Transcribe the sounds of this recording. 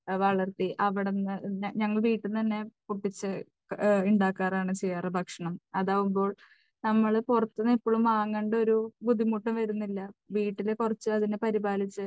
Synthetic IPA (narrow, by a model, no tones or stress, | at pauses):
ʋɐɭɐrt̪iʔɐʋiɽenːɨɲɐŋːɐɭʋiːʈːunt̪ɐnːe̞puʈːit͡ɕːɨ | iɳɖaːkːaːraːɳɨt͡ɕijarɨbʱɐkʂɐɳɐmɐðaːʋumbo̞ːɭ | nɐmːɐɭpurɐt̪ːɐnːipːoːɭumaːŋːeːɳɖo̞ɾubud̪ʱimuʈːɐmʋɐɾunːilːɐʋiːʈːilekurɐt͡ɕːɨɐðinepɐɾibaːlit͡ɕːɨ